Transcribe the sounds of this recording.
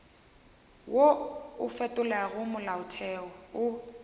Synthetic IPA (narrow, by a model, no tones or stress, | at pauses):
woʊfɛtʼʊlaɣʊmʊlaʊtʰɛɔʊ